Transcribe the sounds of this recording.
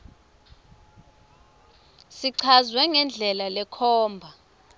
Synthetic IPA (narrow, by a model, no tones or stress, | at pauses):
siǀʰazwɛŋɛnd͡ɮʱɛlalɛkʰɔːmbʱa